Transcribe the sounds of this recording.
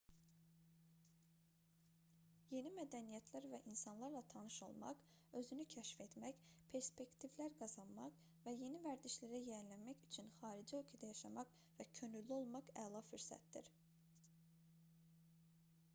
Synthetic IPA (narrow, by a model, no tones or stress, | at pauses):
je̞nimæd̪ænijæt̪ʰlæɾvæʔinsɑnlˠɑɾlˠɑt̪ʰɑnɯʃo̞̰lˠmɑ̰q | ø̞zynycʰæʃfe̞t̪mæçpʰe̞ɾspe̞kt̪ʰivlæɾɡɑzɑnmɑq | væje̞nivæɾd̪iʃlæɾæjæɾlænmæçyt͡ʃʰynxɑːɾid͡ʒiøkʰid̪æjɑʃɑmɑq | væcʰø̞nyllio̞lˠmɑqælˠɑfyɾsæ̰t̪̚d̪ḭɾ